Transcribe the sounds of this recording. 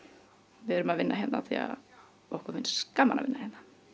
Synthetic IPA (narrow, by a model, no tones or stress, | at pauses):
vɪðɛɾʏmaðvɪnːʔaɦɛt̪naθia̰ | ɔhkʏɾvɪnːskamːana̰vɪnːahɛt̪na